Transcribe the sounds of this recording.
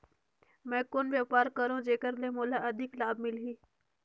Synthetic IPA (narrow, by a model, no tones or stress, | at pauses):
mɛ̃ːkonʋjaːpaːɾkəɾõd͡ʒeːkəɾlemoːlaʔɐd̪ʱɪklaːb̚mɪlɦiː